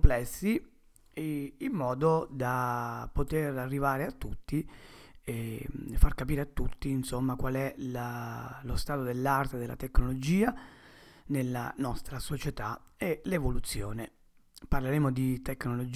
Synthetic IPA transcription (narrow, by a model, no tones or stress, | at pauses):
plɛsːi | lmːɔːd̪od̪apːot̪erarːivaːɾeat̪ːut̪ːiefarkapiːɾeat̪ːut̪ːiːnsomːakwalɛlalost̪aːt̪od̪elːart̪ed̪elːa̰t̪eknolod͡ʒiːa | nelːa̰nɔst̪ɾasot͡ʃet̪aelevolut̪sːjo̰ːne | parleɾeːmod̪it̪ekːnolod͡ʒ